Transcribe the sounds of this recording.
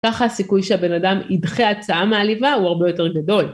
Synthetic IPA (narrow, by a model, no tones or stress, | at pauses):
kaχaːsikujʃeabe̞nadamidχeat͡saamealivauaʁbe̞jo̞te̞ʁɡado̞l